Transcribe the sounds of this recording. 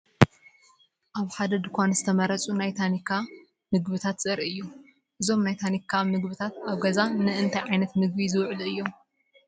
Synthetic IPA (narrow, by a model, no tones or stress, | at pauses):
ʔaβħad̪ɐd̪ɨkʷanz̥ɨt̪ʰɐmɐɾɐt͡sʼunajt̪ʰanikʰa | mɨɡbɨt̪ʰat̪sʼɐɾiʔɨjːo | ʔɨzo̞mnajt̪ʰanikʰːamɨɡβɨt̪ʰat̪aβɡɐzanɨɨnt̪ʰajʕajnɐt̪mɨɡ̚bizɨwʕlɨjːo̞m